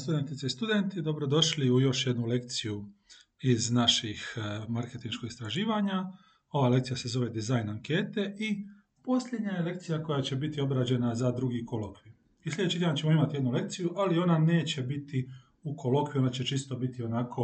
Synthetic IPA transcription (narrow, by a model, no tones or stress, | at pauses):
st̪ud̪ent̪it̪seist̪ud̪e̞nt̪id̪o̞bɾo̞d̪o̞ʃliujo̞ʃjed̪nule̞kt̪siju | iznaʃixmaɾket̪inʃko̞ɡist̪ɾaʒiːʋaɲa | o̞ʋale̞k̚t̪sijase̞zo̞ʋe̞d̪izajnaŋkeːt̪e̞ʔi | po̞slʎʲe̞d̪ɲajele̞kt̪sijako̞jat͡ɕe̞bit̪io̞bɾad͡ʑe̞nazad̪ɾuɡikolokʋi | islʲʎed̪et͡ʃit̪eat͡ɕemoimat̪ijd̪nule̞k̚t̪sijuʔalio̞nane̞ːt͡ɕe̞bit̪i | ukʰo̞lo̞kʋio̞nd̪at͡ɕe̞t͡ʃist̪o̞bit̪io̞nakʰo̞